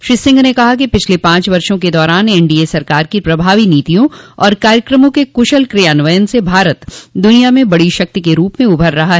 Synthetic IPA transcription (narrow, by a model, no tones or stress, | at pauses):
ʃɾisɪ̃ŋɡnekɐɦak̬ipɪt͡ʃʰlepãːt͡ʃʋɐɾʃõked̪ɔːɾaːneːɳɖiesɐɾkaːɾkipɾɐbʱaːʋiniːt̪ijõɔːɾkaːɾjəkɾəmõkekʊʃəlkɾɪjaːnʋəjənsebʱaːɾət̪d̪ʊnijamẽbɐɽiʃɐk̚t̪ikeɾuːpmẽʊbʱəɾːɐɦaɦɛ